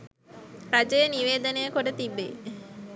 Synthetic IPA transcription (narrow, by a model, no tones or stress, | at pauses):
ɾad͡ʒəjəniʋeːd̪ənejəkoɖət̪ibːḛ